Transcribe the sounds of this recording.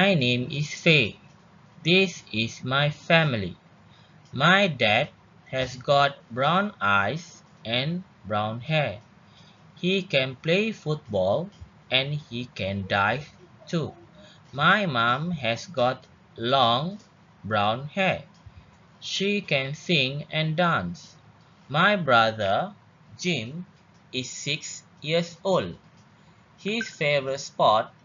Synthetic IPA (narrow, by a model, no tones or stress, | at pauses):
majnẽmisfe | d̪isismajfɛmilḭ | majdɛd̚ | hɛsɡɔt̚bɹãw̃najs | ʔɛ̃n | bɹãw̃nhɛ | hikɛ̃nplefut̚bɔl | ʔɛ̃nhikɛ̃ndajvtʰu | majmãmɦɛsɡɔt | lɔ̃ŋ | bɹãw̃nhɛ | ʃikɛ̃nsĩŋɛ̃ndãns | majbɹaðə | d͡ʒĩm | isːiks | jiəsold | hisfevətspɔt̚